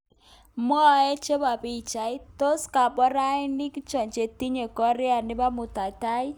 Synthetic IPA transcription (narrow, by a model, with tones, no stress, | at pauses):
mɔ˦˨ɛ˦t͡ʃe˦ba˨pi˦˨t͡ʃa˨ɪ˦t̪o˦ska˨bɔ˦ɾa˦ɪ˦nɪ˦kt͡ʃɔ˨ɲt͡ʃe˨t̪i˦ɲe˨kɔ˦ɾɪ˦a˨nɪ˦ba˦mʊ˨t̪a˨ta˦ɪ˦